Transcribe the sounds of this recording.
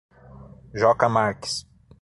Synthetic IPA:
ʒɔkɐmaɾkɪ̥s

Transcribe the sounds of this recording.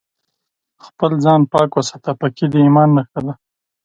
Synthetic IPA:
xpəlzɑnpɑkwasḁt̪apakid̪iimɑnːaxad̪a

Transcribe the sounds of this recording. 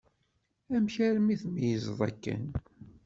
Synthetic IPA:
æmçæɾmiθmjəzðˤæ̰kːə̰n

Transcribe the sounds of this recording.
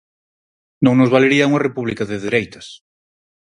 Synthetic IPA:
nõŋnozβaleɾiauŋɐrepuβ̞likaðeðeɾejt̪ɐs

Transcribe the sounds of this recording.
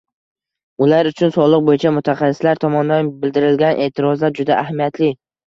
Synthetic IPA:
ʊlaɾʊt͡ʃʰʊnsɒlˠɨq̚bojɪt͡ʃʰamʊt̪ʰaχɑsɪ̥slaɾt̪ʰɒmɒnd̪anbɪld̪ɪɾɪlɡʲanʔe̞ːt̪ʰɪɾɒzlaɾd͡ʒʊd̪aʔahmijat̪ʰlɪ

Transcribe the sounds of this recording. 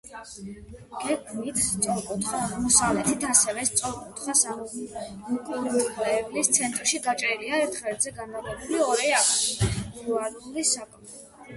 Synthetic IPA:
ɡ̥ɛɡmit̪ʰst̪sʼɔɾkʼut̪ʰχaaʁmɔsavlɛt̪ʰit̪ʰasɛvɛst̪sʼɔɾkʼut̪ʰχasa | kʼt̪ʼlɛːblist̪sʰɛnt̪ʼɾʃiɡat͡ʃʼɾiliaɛɾt̪ʰχɛd̪zɛɡanalʼɛbuliɔɾɛakʰɾuaɾulisakʼm

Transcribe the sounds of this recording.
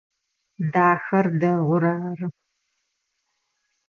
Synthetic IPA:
daːxɐrdɐʁʷʊɾaːrɨ

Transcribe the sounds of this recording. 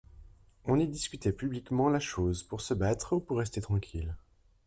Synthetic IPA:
ɔ̃nid̪iskʲyt̪ɛpyblikmɑ̃laʃozpuʁsəbat̪χupuʁːɛst̪et̪χɑ̃kʲʰil

